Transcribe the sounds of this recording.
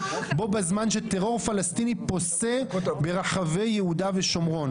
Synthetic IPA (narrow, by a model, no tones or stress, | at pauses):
bo̞bazmanʃet̪eʁo̞ʁfalast̪inipo̞sebe̞ʁaχave̞jjehud̪ave̞ʃo̞mʁo̞n